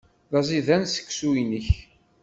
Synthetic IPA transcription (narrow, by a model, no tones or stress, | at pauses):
ðˤɑzˤiðænsə̥kːsuinəç